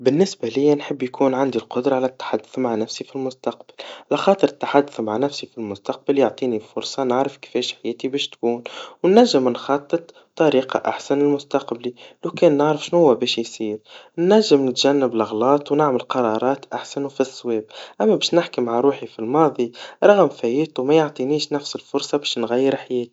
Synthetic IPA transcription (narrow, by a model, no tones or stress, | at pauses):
bɪnːɪsbælɪjːænħəbːjkʰuːnʕand̪ilqʊd̪ɾˤɑʕalæt̪ːḁħad̪ːʊθmaʕnæfsifilmʊst̪ɑq̚ballɑxɑːt̪ˤəɾət̪ːaħad̪ːʊθmaʕnæfsifilmʊst̪ɑq̚baljoʕt̪ˤiːnibfʊɾsˤɑnaʕɾəfkɪ̥fɛːʃħajɛːt̪ibɛːʃt̪kuːnwnːæʒːɪmnxɑt̪ˤːɨt̪ˤ | t̪ːɑɾiːqɑ̰ʔa̰ħsanɪlmʊst̪ɑqblilowkɛːnːaʕɾəfʃnhʊwːæbɛːʃjsiːɾnːæʒːɪmnɪt̪ʒænːəblɑɣlɑːt̪ˤwnaʕməlqɑɾˤɑɾˤɑːt̪ʔaħsænwfiswɛːb̚ʔæmːæbɛːʃnɪħkimaʕaɾˤuːħifilmɑːðˤiɾˤɑɣəmfæjiːt̪ˤumæjoʕt̪ˤiniːʃnæfsəlfʊɾsˤɑbɛːʃnɣæjːəɾħajɛːt̪i̥